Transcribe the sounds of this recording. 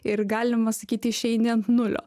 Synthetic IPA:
ɪɾɡɑːlʲɪmɐsɐkʲiːt̪ʲɪɪʃʲɛɪnʲɪnt̪nʊlʲo̰ː

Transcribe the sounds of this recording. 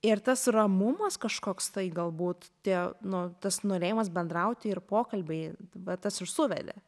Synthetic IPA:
ɪɾt̪ɐsrɐmʊmɐskɐʃkoːkst̪ɐɪɡɐlˠbuːt̪t̪ʲiɛnʊt̪ɐsnoːɾʲeːjɪmɐsbʲɛnd̪ɾɐʊt̪ʲɪɪrpoːkɐlʲbʲɛɪʋɐt̪ɐsɪʃsʊʋʲɛ̰d̪ʲɛ̰

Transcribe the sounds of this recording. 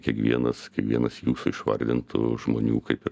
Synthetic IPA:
kʲiɛkʋʲiɛnɐskʲiɛkʋʲiɛnɐsjuːsʊɪʃʋɐ̰ɾʲd̪ʲɪnt̪ʰʊ̰ʒmoːnʲuːkɐɪpɪ

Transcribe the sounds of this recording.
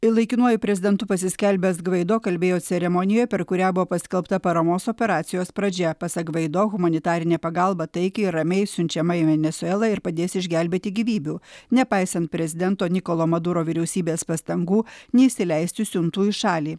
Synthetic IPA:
ɪlˠɐɪkʲɪnuɔjʊpʲɾʲɛzʲɪd̪ʲɛnt̪ʊpɐsʲɪsʲkʲɛlʲbʲɛsɡʋɐɪd̪oːkɐlʲbʲeːjoːt̪sʲɛɾʲɛmɔnʲɪjoːjpʲɛɾkʊɾʲæːbʊʋoːpɐsʲkʲɛlˠpt̪ɐpɐɾɐmoːsoːpʲɛɾɑːt̪sʲɪjoːspɾɐd͡ʒʲɛpɐsɐkʋɐɪd̪oːɣʊmɐnʲɪt̪ɑːɾʲɪnʲeːpɐɡɐlˠbɐt̪ɐɪkʲɐɪɾɐmʲɛɪsʲʊnʲt͡ʃʲɛmɐɪʋʲɛnʲɛsʊɛlˠɐɪɾpɐd̪ʲeːsɪʒʲɡʲælʲbʲeːt̪ʲɪɡʲiʋʲiːbʲuːnʲɛpɑɪsɐnt̪̚pʲɾʲɛzʲɪd̪ʲɛnt̪oːnʲɪkolˠoːmɐd̪uːɾoːʋʲɪɾʲɛʊsʲiːbʲeːspɐst̪ɐŋɡuːnʲɛɪsʲɪlʲæɪsʲt̪ʲɪsʲʊnt̪uːɪʃɑːlʲiː

